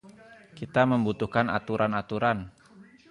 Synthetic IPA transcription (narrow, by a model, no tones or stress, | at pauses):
kit̪aməmbut̪uhkana̰t̪uɾʔanat̪uɾan